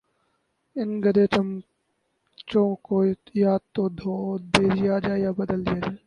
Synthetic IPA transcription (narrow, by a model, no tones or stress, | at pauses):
ɪnɡəd̪et͡ʃəm | t͡ʃõkojaːd̪̚t̪od̪ʱod̪eːd͡ʒɪjaːd͡ʒaːjaːbɐd̪əld͡ʒijaːd͡ʒaː